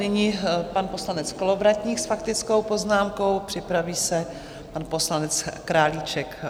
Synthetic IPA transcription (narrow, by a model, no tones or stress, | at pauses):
nɪɲɪpanpo̞slanɛt͡skolovɾac̪ɲiːxsfak̚t̪ɪt͡sko̞wpo̞znaːmko̞wpr̥ɪpɾaviːsɛ | panpo̞slanɛt͡skɾaːlit͡ʃɛk